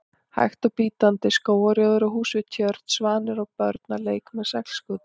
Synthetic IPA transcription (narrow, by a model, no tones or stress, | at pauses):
ha̰jxt̪awpiːt̪ant̪ɪskoːwaɾjɔðʏɾawɦuːsvɪt̪ʰjœɾt̪svaːnɪɾawpœɾt̪naleːjkmɛðsɛkl̥skʏːt̪